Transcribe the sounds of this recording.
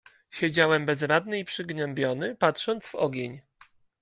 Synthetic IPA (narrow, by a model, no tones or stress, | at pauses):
ɕed͡ʑawɛmbɛzɾad̪nɘipʂɘɡnɛmbʲjɔnɘpatʂɔnt̪zvɔɡʲeɲ